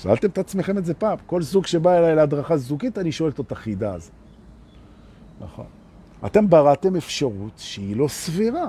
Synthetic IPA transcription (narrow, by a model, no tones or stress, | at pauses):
ʃa̰lt̪e̞mt̪at͡smeχe̞mezepaːmko̞lzuɡʃebaelajlead̪ʁaχazukit̪aniʃo̞elt̪ot̪aχid̪aːz | na̰χo̞̰n | a̰t̪e̞mbaʁat̪e̞me̞fʃaʁut̪ʃeilo̞sviʁa